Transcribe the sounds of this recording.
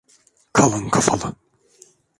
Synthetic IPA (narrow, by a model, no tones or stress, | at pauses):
kʰalˠɯŋkʰafalˠɯ